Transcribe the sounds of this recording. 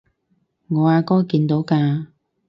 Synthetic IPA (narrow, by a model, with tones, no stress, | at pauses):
ŋɔː˨˧aː˨˥kɔː˥jkiː˧nt̪o˨˥wkaː˧